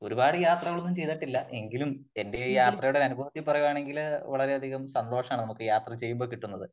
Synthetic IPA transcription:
o̞ɾubaːɽɨjaːt̪rɐɣɐɭunːumt͡ɕe̞jt̪ɐʈːilːɐʔe̞ŋɡilumende̞jaːt̪rɐjuɽeɐnubʱɐʋɐt̪jɐpːurɐjuaːɳe̞ŋɡilʋɐɭɐɾe̞ɐd̪ʱiɣɐmsɐnd̪o̞ːʂɐmaːɳnɐmukːɨjaːt̪rɐt͡ɕe̞jːumboːkiʈːunːɐðɨ

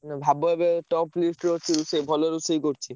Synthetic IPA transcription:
nbʱaboebeʈɔplisʈɾot͡ɕʰiɾusejbʱɔloɾusejkoɾt͡ɕʰi

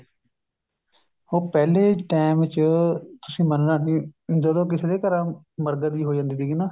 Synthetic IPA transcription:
oːpɛːleːʈaːmɪt͡ʃt̪ʊsĩːmənɾaːkɪd͡ʒəd̪õːk̬ɪseːd̪eːkəɾãː | məɾɡəd̪iːɦoːd͡ʒãːnd̪iːd̪iːɡiːnaː

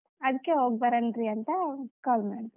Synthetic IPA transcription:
ɐd̪ɨkːeɦoːɡbɐɾɐndɾiɐnt̪ɐkaːlmaːɽt̪ɐ

